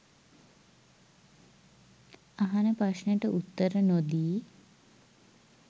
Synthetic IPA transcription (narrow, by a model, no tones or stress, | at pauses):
aɦanəpaʃnəjʈəʔut̪ːəɾənod̪iː